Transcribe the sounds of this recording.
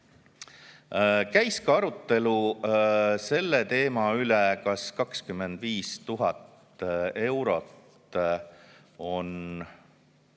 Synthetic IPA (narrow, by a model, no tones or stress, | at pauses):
kæjskɑɑɾut̪ˑːe̞lu | se̞lːet̪e̞ːmɑylekɑskɑkskyme̞nd̪̥viːst̪uɦɑt̪ | e̞wɾo̞t̪ | o̞n